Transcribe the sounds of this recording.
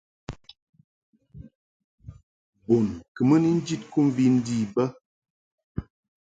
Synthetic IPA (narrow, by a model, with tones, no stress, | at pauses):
bo˨nkə˨mə˦ni˦n̩˦d͡ʒi˦t̚ku˦m̩˦vi˦n̩˦diː˦˨bə˦